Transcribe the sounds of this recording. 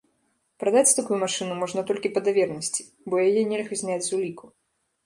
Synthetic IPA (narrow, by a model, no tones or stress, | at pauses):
pɾad̪at͡sʲt̪akujumaʂɨnumɔʐnɐt̪ɔlʲkʲipɐd̪avʲɛrnɐsʲt͡sʲi̥ | bɔjajɛnʲɛlʲɣɐzʲnʲad͡zʲzulʲikʰu